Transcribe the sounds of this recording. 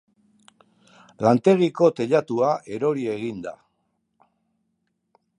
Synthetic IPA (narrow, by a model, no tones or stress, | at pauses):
lant̪e̞ɣiko̞t̪e̞ʎat̪uaʔe̞ɾo̞ɾie̞ɣind̪a̰